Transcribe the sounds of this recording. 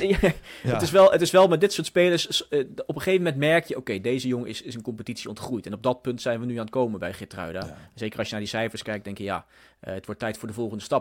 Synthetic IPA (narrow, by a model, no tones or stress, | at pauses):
ətɪsʋɛlˠətɪsʋɛlˠmɛdɪtsʊːɹtspejləsɔpəχejvəmɛntmɛɹkjəowkejdejzəjoŋəɪsɪsənkɔmpətitsiɔntχrujtɛnɔb̚dɑt̚pɵntsɛjnʋənyaːnətkowmənbɛjχɪtrœ̰ɥdaz̥ejkərɑlsʃjənaːdisɛjfəɹskɛjk̚dɛŋkjəja̰ː | ətʋɔɹtːɛjtfʊːɹdəvɔlˠχəndəstɑp